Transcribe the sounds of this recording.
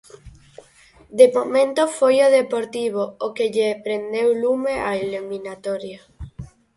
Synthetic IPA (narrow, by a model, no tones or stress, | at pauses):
d̪emomẽnt̪ofojoðepoɾt̪iβ̞oːkeʎepɾend̪ewlumeʔaelumĩnat̪oɾja